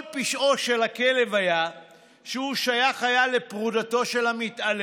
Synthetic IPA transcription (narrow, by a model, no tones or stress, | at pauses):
lpiʃʔo̞ʃelakele̞vaja | ʃeuʃajaχajalepʁud̪at̪o̞ʃe̞lhamit̪ale